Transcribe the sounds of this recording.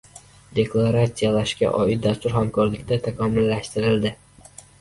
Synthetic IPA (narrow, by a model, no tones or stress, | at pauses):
d̪e̞kʰlˠaɾat̪sijalaʃkʲa̰ʔɒɪt̪̚d̪ast̪ʊɾhamkʰɒɾlɪkʲt̪ʰat̪ʰakʰɒmʊlːaʃt̪ɪɾɪld̪ɪ